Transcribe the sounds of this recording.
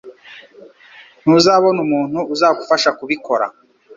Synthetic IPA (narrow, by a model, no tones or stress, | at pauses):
n̥uzaːβo̞numuːn̥huʔːzaːɡufaʃakuβiko̞ɾa̰